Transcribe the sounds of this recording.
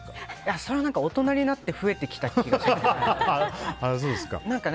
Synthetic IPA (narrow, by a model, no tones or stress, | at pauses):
aso̞ɾeanãŋkao̞t̪o̞naɾʲinat̪ːe̞ɸɯ̟e̞t̪e̞kʲi̥t̪aiɡɕie | as̬oːd̪esɨ̥ka̰nãŋkan